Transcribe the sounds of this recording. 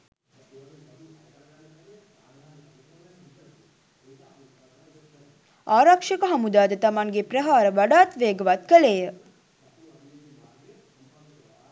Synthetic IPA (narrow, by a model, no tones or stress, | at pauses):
aːɾakʂəkəɦamud̪aːd̪ət̪amaŋɡeprəɦaːɾəʋaɖaːt̪ʋeːəɡəʋat̪̚kəleːjə